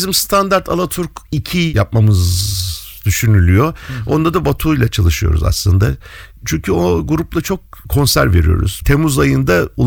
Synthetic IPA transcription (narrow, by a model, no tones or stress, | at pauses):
zimst̪ʰand̪aɾt̪ʰa̰lˠat̪ʰuɾkicʰijap̚mamɯz | d̪yʃynylʲyjo̞o̞nd̪ad̪abat̪ʰuːjlʲˠat͡ʃʰalˠɯʃɯjo̞̰ɾṵza̰slˠɯnd̪a̰t͡ʃʰyɲcʰyo̞ɡuɾuplˠat͡ʃʰok̚ʰːo̞nsæ̰ɾve̞̰ɾijo̞̰ɾṵz̥t̪ʰe̞muzajɯnd̪aulˠ